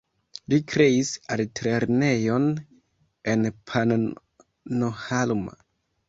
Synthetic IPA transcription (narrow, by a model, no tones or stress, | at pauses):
likɾeisaltʰɾeɾnejon | enpʰan | nohalma̰